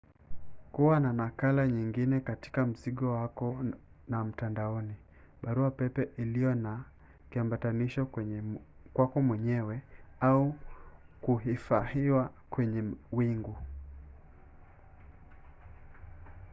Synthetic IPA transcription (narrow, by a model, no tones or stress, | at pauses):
kuwananakalaɲiŋɡinɛkati̥kam̩ziɠɔwakɔnam̩tandaɔni | ɓaɾuapɛpɛʔilijɔna | kiambataniʃɔ | kwakɔmwɛɲɛwɛau | kuɦifahiwakwɛɲɛwiŋɡu